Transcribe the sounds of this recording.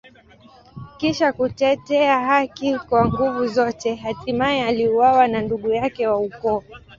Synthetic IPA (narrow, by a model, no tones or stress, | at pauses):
kiʃakutɛtɛaɦakikwaŋɡuvuzɔtɛɦatimaɛaliuwawananduɠujakɛwaukɔ